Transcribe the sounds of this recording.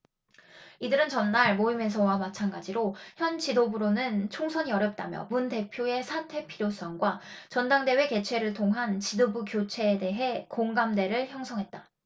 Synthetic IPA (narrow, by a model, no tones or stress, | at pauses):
idɯɾɯnt͡ɕʌnːaɭmoimes̬ʰʌwamat͡ɕʰanɡad͡ʑiɾoçjʌnt͡ɕidobɯɾonɯnt͡ɕʰoŋsʰʌɲiʌɾjʌp̚t͈a̰mjʌ̰munde̞pʰjoe̞sʰatʰe̞pʰiɾjos͈ʌŋɡwat͡ɕʌndaŋde̞we̞ke̞t͡ɕʰwe̞ɾɯɭtʰoŋɦant͡ɕidobukjot͡ɕʰe̞ːde̞ɦe̞koŋɡamde̞ɾɯɭçjʌŋsʰʌŋɦet̚t͈a